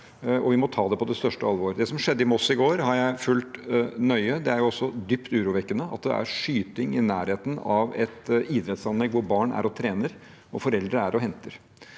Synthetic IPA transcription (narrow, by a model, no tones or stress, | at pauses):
ɔʋɪmɔt̪ʰɑːd̪ɛpɔd̪ɛst̪œʂʈəɑlʋoːɾd̪ɛsɔmʂɛd̪ːəɪmɔsɪɡoːɾhɑɾjæɪfʉlt̪nœʏəd̪ɛæɾjʊɔsːɔd̪ʏpt̪ʉːɾuːʋɛkːənəɑ̰t̪̚d̪ɛ̰ʔæ̰ɾʂyːt̪ɪŋɪnæːɾheːt̪nɑʋɛt̪iːd̪ɾɛt̪sɑnlɛɡːʋʊɾbɑːɳæ̰ɾɔt̪ʰɾeːnəɾ | ɔfɔɾɛld̪ɾəæɾʔɔɦɛnt̪əɾ